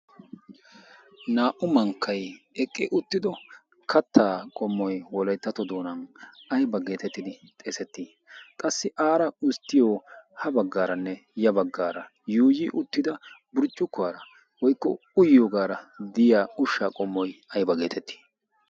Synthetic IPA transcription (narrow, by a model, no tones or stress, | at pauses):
naːʔʊmɐŋkʰːɐj | ɛkʼːɪʔʊt̪ːɪd̪ɔ | kʰɐt̪ːaːkʼɔmːɔjwɔlɐjt̪ːɐt̪ɔd̪oːnɐnɐjbɐɡe̞ːt̪ɛt̪ːɪd̪ɪt̪ʼeːsɛt̪ːiː | kʼɐsːɪʔaːɾɐʊst̪ːɪjoːhɐbɐɡːaːɾɐnːɛjɐbɐɡːaːɾɐ | juːjiʔʊt̪ːɪd̪ɐbʊɾt͡ʃʼːʊkːʊwaːɾɐ | wɔjkːɔ̰ | ʊjjoːɡaːɾɐd̪ɪjaːʊʃːaːkʼɔmːɔjɐjbɐɡe̞ːt̪ɛt̪ːi̥ː